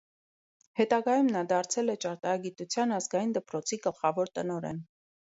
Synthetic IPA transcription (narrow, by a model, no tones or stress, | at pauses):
hɛt̪ɑɡɑjumnɑd̪ɑɾt͡sʰɛlɛt͡ʃɑɾt̪ɑɾɑɡit̪ut͡sʰjɑnɑzɡɑjind̪əpɾɔt͡sʰiɡəlχɑvɔɾt̪ənɔɾɛ̰n